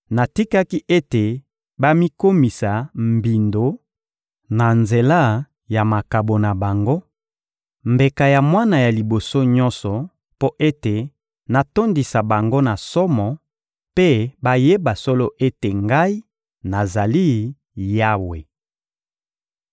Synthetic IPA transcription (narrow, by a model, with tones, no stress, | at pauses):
na˨ti˦ka˦ki˦ʔe˦te˨ | ba˦mi˦ko˦mi˨sa˨mbi˨ndo˨ | na˨nze˨la˦ | ja˨ma˨ka˨bo˨na˨ba˨ŋɡo˦ | mbe˨ka˨ja˨mwa˦na˨ja˨li˨bo˨so˦ɲɔ̃˦nsɔ˨ | po˦ʔe˦te˨ | na˨to˦ndi˨sa˨ba˨ŋɡo˦na˨sɔ˦mɔ˨ | pe˦ba˦je˦ba˨so˦lo˦ʔe˦te˨ŋɡa˦i˦ | na˨za˨li˦ | ja˦we˨